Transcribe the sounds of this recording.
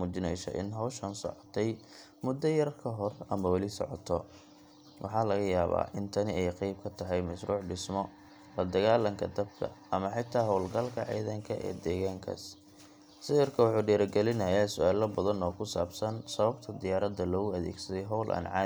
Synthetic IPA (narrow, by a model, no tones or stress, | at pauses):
muːt͡ʃɪnɛjsɐ̰ʔɪ̰nɦɐwʃɐnsɔ̰ʕɔt̪ʰɛj | mʊd̪ːɐjɐrkʰɐɦɔrɐmɐwɑlɪsɔ̰ʕɔ̰t̪ʰɔ | wʔɑ̰ħɑːlɐɣɐjaːβa̰ːʔɪnt̪ʰɐnɪɛjqɛjb̚kʰɐt̪ʰɐɦɛjmɐʃruːʕɖɪsmɔ | lɐd̪ɐɣaːlɐŋkʰɐd̪ɐb̚kʰɐ̰ɐmɐħɪt̪ʰːaːɦɔwlɡɐlkʰɐ̰ʕɛ̰jðɐŋkʰɐʔɛ̰ːd̪ɛːɣaːŋkʰɐ̰s | sɪɪrkʰɐwɑħuːɖɛːɾɐɡɛlɪnɐjaːsʊaːlɐbɐðɐnɔːkʰʊsaːbsɐnsɐβɐbt̪ʰɐd̪ɪjaːɾɐd̪ːɐlɔːɣʊɐðɛ̰ːɡsɐðɛjɦɔwlʔɐ̰nʕɑ̰ː